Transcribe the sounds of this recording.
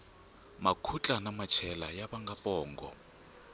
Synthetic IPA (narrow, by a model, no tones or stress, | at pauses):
makʰut͡ɬʼanamat͡ʃʰɛlajaɓaŋɡapʼɔːŋɡɔ